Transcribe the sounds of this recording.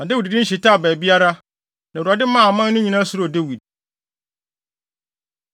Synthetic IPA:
nã˨de˦wi˨ddɪ̃˦n̩˦ɕ̬i˨ta˦˨bɛː˨bi˦a˦ɾa˦ | nã˨u˨a˨dɪ˦mã˦˨mã˦n˦nʊ̃˦ɲĩ˨nã˦sʊ˨ɾde˦wi˨d̚

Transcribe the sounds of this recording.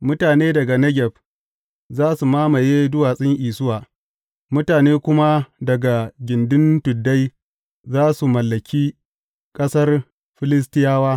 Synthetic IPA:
mʊ˦taː˨neː˦dɐ˨ɡa˨nɐ˦ɡʲɛ˨ɸ | zaː˦su˨maː˦ma˨je˦dʊ˦waː˨sʼɪ˦ŋʔiː˨sʊ˦waː˨ | mʊ˦taː˨neː˦kʷʊ˦ma˦dɐ˨ɡa˨ɡʲɪ˨ndʊ˦ntʊ˨dːa˦j | zaː˦su˨mɐ˨lːɐ˨kʲʰiː˦ | kʼɐ˦sɐ˦r | ɸɪ˦lɪ˦s̬tɪ˦jaː˦waː˦

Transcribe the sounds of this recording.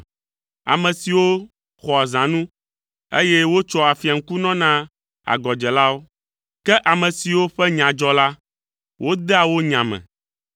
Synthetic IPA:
a̰˨mɛ̃˨si˨wo˦ | xɔ˨a˨zã˨nũ˦ | e˦jɛ˦wo˦t͡ʃɔ˦a˨fi˨a˨ŋ̩˦ku˦nɔ̃˦nã˦ | a̰˨ɡɔ˨d͡ʒɛ˨la˦wo˦ | kɛ˦ʔa˨mɛ̃˨si˨wo˦ɸɛ˦ɲã˨d͡ʒɔ˦la˦ | wo˦d̪ɛ˦a˨wo˦ɲã˨mɛ̰̃˨

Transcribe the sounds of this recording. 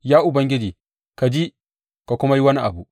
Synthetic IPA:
jaː˦ʔʊ˨bɐ˦ŋɡʲɪ˦d͡ʒiː˨ | ka˨d͡ʒi˦ | ka˨kʷʊ˦ma˦ji˦wɐ˦ni˦ʔa̰˨bu˨

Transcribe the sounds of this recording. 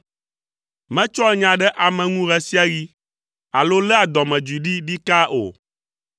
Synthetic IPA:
mɛ̃˦t͡ʃɔ˦ɛ˦ɲã˨ɖɛ˦ʔa˨mɛ̃˨ŋũ˦ɣɛ˦si˦a˦ɣi˦ | a˨lo˦lɛ˦a˨d̪ɔ˨mɛ̃˨d͡ʒi˨ɖi˦ɖi˦ka˦ʔo̰˨

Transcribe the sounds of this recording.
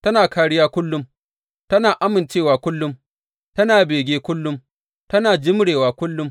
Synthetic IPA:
tɐ˦naː˨kaː˦ɽɪ˦jaː˦kʷʊ˦lːʊ˦m | tɐ˦naː˨ʔa˦mɪ˨nt͡ʃeː˦˨waː˨kʷʊ˦lːʊ˦m | tɐ˦naː˨beː˨ɡʲeː˦kʷʊ˦lːʊ˦m | tɐ˦naː˨d͡ʒɪ˦mɽeː˨waː˨kʷʊ˦lːʊ˦m

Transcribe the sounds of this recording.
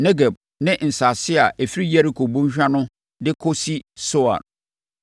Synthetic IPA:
nɛ˦ɡe˨b̚ | nɪ̃˦ʔn̩˨sa˨sɪ˦a˨e˨fi˦ɾi˦je˦ɾi˨kʰo˨bũ˦ɲ˦ɕᶣa˦nʊ̃˦ | dɪ˦kʰo˦si˦sʊ˦a̰˨ɾ

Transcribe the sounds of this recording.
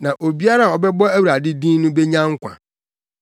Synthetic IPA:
nã˨ʔo˨bi˦a˦ɾa˦˨ɔ˨bɛ˦bɔ˦æ˦wɾa˨dɪ˦dĩː˦nũ˦bɛ˦ɲã˦ŋ̩˦kʷʰã̰˨

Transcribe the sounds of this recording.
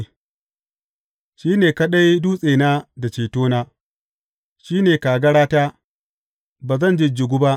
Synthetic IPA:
ʃiː˦neː˨ka˦ɗa˦jdu˦sʼeː˨naː˦da˨t͡ʃeː˨toː˦naː˦ | ʃiː˦neː˨kaː˨ɡɐ˦ɽaː˦taː˦ | baː˨zɐ˦˨nd͡ʒɪ˦d͡ʒɪ˨ɡʷu˦ba˦ʔ

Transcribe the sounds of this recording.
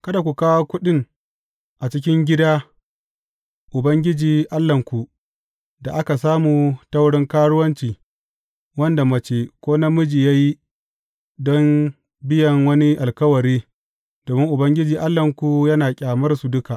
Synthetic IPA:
kɐ˦da˨kʷu˨kaː˦wo˦kʷʊ˦ɗɪ˦ŋ | ʔa˨t͡ʃɪ˦kʲɪ˦ŋɡʲɪ˦daː˦ | ʔʊ˨bɐ˦ŋɡʲɪ˦d͡ʒiː˨ʔa˦lːɐ˨ŋkʷu˨ | da˨ʔa˦ka˨saː˦muː˨tɐ˦wɽɪ˦ŋkaː˦ɽʊ˦wɐ˦nt͡ʃiː˨ | wɐ˦nda˨mɐ˦t͡ʃeː˨kʷoː˦na˦mʊ˦d͡ʒiː˨ja˦ji˦ | dɔ˦m | bɪ˦jɐ˨ŋwɐ˦ni˦ʔa˨lkɐ˦wɐ˨ɾiː˦ | doː˨mɪ˦ŋʔʊ˨bɐ˦ŋɡʲɪ˦d͡ʒiː˨ʔa˦lːɐ˨ŋkʷu˨jɐ˦naː˨kʲʼaː˨mɐ˦rsu˨dʊ˦ka˨ʔ

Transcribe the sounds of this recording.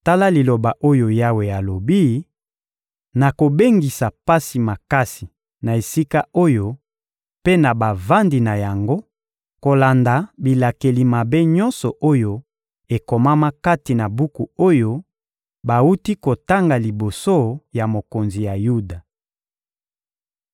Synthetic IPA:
ta˦la˦li˨lo˨ba˨ʔo˦jo˨ja˦we˨a˨lo˨bi˦ | na˨ko˨be˦ŋɡi˨sa˨pa˦si˨ma˨ka˦si˨ | na˨e˨si˦ka˦o˦jo˦ | pe˦na˨ba˨va˦ndi˨na˨ja˨ŋɡo˦ | ko˨la˨nda˨bi˨la˨ke˨li˨ma˨be˦ɲɔ̃˦nsɔ˨ʔo˦jo˦ | e˨ko˨ma˦ma˦ka˦ti˨na˨bu˦ku˨o˦jo˦ | ba˨wu˦ti˦ko˨ta˦ŋɡa˨li˨bo˨so˦ja˨mo˨ko˨nzi˨ja˨ju˦da˨

